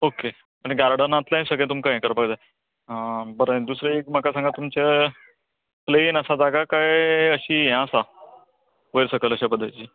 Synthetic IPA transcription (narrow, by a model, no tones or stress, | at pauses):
oke | pəeɡaɾaɽənat̪laɦĩsəɡɭẽt̪umkaẽkəɾpaɡd͡za | bəɾə̃d̪usɾeekm̤akasãŋɡat̪umt͡ɕe | pleinəsad͡zaɡakajəɕiːɦãsa | əjɾsəkələɕabəd̪ʱːajt͡ɕiː